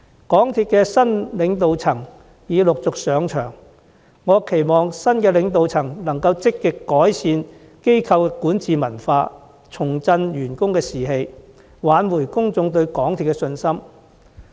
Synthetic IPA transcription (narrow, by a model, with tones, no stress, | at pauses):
kɔː˨˥ŋt̪ʰiː˧t̚kɛː˧sɐ˥nlɪ˨˧˥ŋt̪o˨wt͡sʰɐ˨˩ŋ | jiː˨˧lʊ˨k̚t͡sʊ˨k̚sœː˨˧ŋt͡ʃʰœ̰ː˨˩ŋ | ŋɔː˨˧kʰe˨˩jmɔː˨˩ŋsɐ˥nkɛː˧lɪ˨˧˥ŋt̪o˨wt͡sʰɐ˨˩ŋlɐ˨˩ŋkɐ˧wt͡sɪ˥kːɪ˨kːɔː˨˥jsiː˧n | ke˥jkʰɐ˧wkɛ˧kuː˨˥nt͡siː˨mɐ˨˩nfaː˧ | t͡sʰʊ˨˩ŋt͡sɐ˧njyː˨˩nkʊ˥ŋkɛː˧siː˨ɦe˧j | waː˨˥nwuː˨˩jkʊ˥ŋt͡sʊ˧ŋt̪ɵ˧ɥkɔː˨˥ŋt̪ʰiː˨tkɛ˧sɵ˧nsɐ˥m